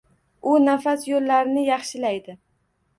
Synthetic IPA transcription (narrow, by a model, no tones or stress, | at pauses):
ʊnafasjolːaɾnɪjɑχʃɪlajd̪ɪ